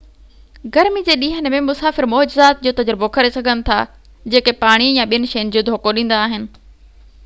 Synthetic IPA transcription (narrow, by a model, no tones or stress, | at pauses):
ɡɐɾmid͡ʑeːɗĩːɦənɪ̆mẽmʊsaːfɪɾmoːd͡ʑɪzaːt̪̚d͡ʑoːt̪ɐd͡ʑəɾbokʰɐɾesɐɡʱənɪ̆t̪ʰa̰ː | d͡ʑeːkepaːɽ̃ijãɓijənɪ̆ʃejənɪ̆d͡ʑoːd̪ʱoːkoɗĩːn̆d̪aːɦɪnɪ̆